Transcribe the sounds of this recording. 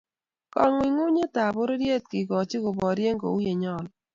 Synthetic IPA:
kɔ˨ŋwɪ˨ŋu˦ɲe˦ta˨bʊ˦ɾe˦ɾje˦t̚kɪ˨kɔ˨t͡ʃi˦kʊ˨bɔ˨ɾje˦ŋɡo̰˨u˦je˨ɲɔ˦˨l

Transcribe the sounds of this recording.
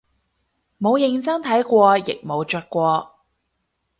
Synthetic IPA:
mo˨˧wjɪ˧ŋt͡sɐ˥ŋt̪ʰɐ˨˥jkʷɔː˧jɪ̰˨k̚mo˨˧wt͡ʃœː˧t̚kʷɔː˧

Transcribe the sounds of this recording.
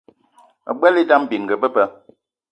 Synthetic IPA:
ə̰˨ɡ͡bɛ˦li˦da˦m˨bi˨ŋ˨ɡə˨bə˦pə˦

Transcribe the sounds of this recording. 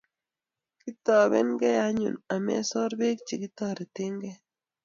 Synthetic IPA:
ki˦tɔ˨bɛ̰˦nɡɛ˦ja˦ɲṵ˨na˨mɛ̰˦sɔ˦ɾbe˦k̚t͡ʃi˨kɪ˦t̪ɔ˦ɾe˨tɪ˦ŋɡɛ˦

